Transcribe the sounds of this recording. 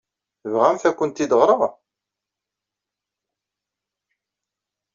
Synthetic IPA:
vʁæmθækʷːənt̪ːid̪əʁɾˤəʁ

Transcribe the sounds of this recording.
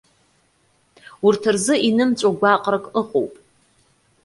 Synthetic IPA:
urtʰɨrzɨʔinɨmt͡sʷʼoɡʷaqʼrɨkʼɨχʷo̰wpʼ

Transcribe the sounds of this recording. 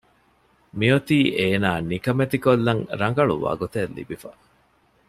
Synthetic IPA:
miot̪iːʔeːnaːnikɐmet̪ikolːɐŋɾɐŋ̆ɡɐɭṵʋa̰ːɡot̪elːḭbifɐ

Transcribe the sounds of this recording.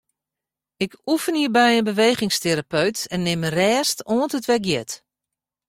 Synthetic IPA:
ɪkufənhiːrbɛjənbəʋejχɪŋsteɾapøɥtɛnːɪmrɛːstoəntətʋɛɡjɛt

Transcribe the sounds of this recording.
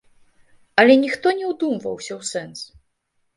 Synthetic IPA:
alʲɛnʲixt̪ɔnʲɛwd̪umvɐ̰wɕʲawsɛns

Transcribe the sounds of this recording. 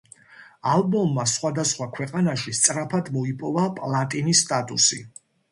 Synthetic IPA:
albɔmːasχwad̪asχwakʰwɛqʼanaʃist̪sʼɾapʰad̪mɔipʼɔvapʼlˠat̪ʼinisːt̪ʼat̪ʼusi

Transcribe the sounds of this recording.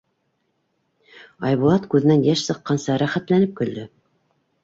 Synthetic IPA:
ɑjβulˠɑt̪kʉðɘ̆nænjæʃsɤ̆qːɑnsɑɾæχæt̪lænɘp̚kɵ̆ld̪ɘ

